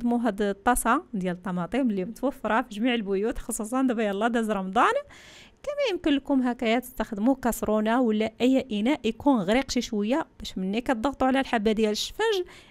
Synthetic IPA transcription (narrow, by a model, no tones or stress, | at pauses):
d̪muɦæd̪t̪ˤːɑsˤɑd̪jælət̪ˤːɑmɑt̪ˤimlːimət̪wəfːɾˤɑfiʒmiʕəlbʊjut̪xɑsˤus̬ˤɑnd̪æbæjælˤːɑd̪æzɾˤɑmd̪ˤɑn | kæmæjəmkənləkʊmɦækæjæt̪ə̥st̪əxd̪mukæsɾunawəlːæʔəjːæʔənæʔjkunɣɾiqʃiʃwəjːæb̥æʃmənːikæt̪̚d̪ˤəɣt̪ˤuʕlælħabːæd̪jæləʃfæʒ